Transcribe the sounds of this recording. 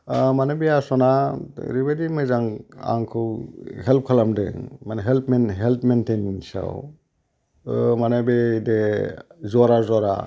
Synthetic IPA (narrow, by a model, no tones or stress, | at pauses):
manabiasɔnaɾibadimɯjzaŋa̰ŋkʰɯwhelp̚kʰalamdɯ̰manɦelpmenɦelpmentejniŋsa̰w | manabede | zɔɾazɔɾa̰